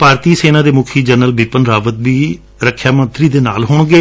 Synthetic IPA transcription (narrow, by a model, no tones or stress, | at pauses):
paːɾt̪iːseːnãːd̪eːmʊkʰiːd͡ʒənəlbiːpənɾaːʋət̪biː | ɾəkʰːjaːmə̃nt̪ɾiːd̪eːna̰ːlɦʊɳɡeː